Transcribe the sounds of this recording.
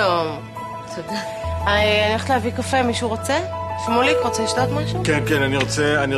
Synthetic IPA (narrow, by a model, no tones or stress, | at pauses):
om | sode | aanieχt̪lavikafemiʃuʁot͡seʃmolikʁot͡seliʃtot̪maʃukenkenaniʁot͡sɛani